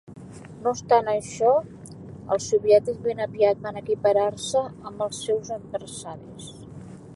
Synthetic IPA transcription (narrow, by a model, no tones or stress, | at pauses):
nost̪anəʃɔ | ə̰lˠsuβjɛt̪izβenəpiat̪βanəkipəɾaɾsəəmbəlˠsɛwzəd̪̚bəɾsaɾis